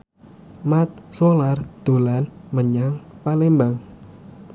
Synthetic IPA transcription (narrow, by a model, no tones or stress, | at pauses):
mat̪̚solard̪̥o̤lanməɲaŋpalembaŋ